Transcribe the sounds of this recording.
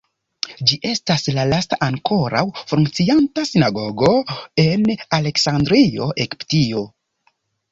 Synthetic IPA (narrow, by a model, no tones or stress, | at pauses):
d͡ʒiʔe̞staslalastaʔaŋko̞ɾa̰wfuŋk̚t͡siantasinaɡo̞ɡo̞enale̞ksandɾio̞ʔekptio